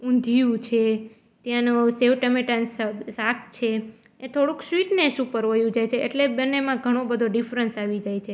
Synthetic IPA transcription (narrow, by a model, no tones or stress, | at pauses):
ũnd̪ʱijũt͡ʃʰe | t̪jãnũseʋʈəmeʈanssakt͡ʃʰe | et̪ʰoɽũksʋiʈnesũpəɾʋəjũd͡ʒajt͡ʃʰeʔḛʈlebənːemãɡʱəɽ̃õbəd̪ʱoɖifɾənsaʋid͡ʒajt͡ʃʰe